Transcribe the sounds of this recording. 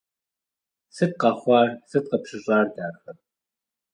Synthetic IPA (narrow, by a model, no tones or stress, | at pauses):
sɨt̪̚qɑχʷɑːrsɨt̪̚qɐpɕɪɕʼɑːrdaːxɐr